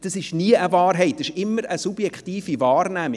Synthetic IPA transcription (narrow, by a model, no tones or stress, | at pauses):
d̥ɑsɪʃniəʔəvɑːrɦɛɪt̚dɪʃɪmːəɾəsub̥jɛkχtiːfivɑːrnæmi